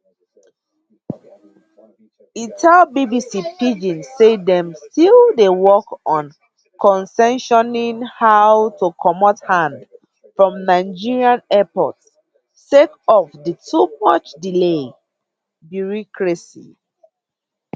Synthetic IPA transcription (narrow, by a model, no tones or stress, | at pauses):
itʰalbibisipid͡ʒĩnsːedɛ̃mstilˠdewɔkɔ̃n | kʰɔ̃nsɛ̃nʃɔnĩŋhawtukʰɔmɔthãnd | fɹɔ̃mnaɪd͡ʒiɹiãnɛpɔ̰tsː | ekɔfdətʰumʌt͡ʃdile | bjuɹɔkɹɛsḭ